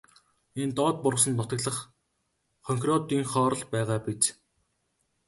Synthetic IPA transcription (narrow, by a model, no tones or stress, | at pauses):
ent̪ɔːt̪̚pʊrʁə̆s̬ə̆nt̪ʊt̪ə̆ɮə̆χ | χœŋkʲrɔt̪iːŋχɔːɾɞ̆ɮpæːʁaːpet͡s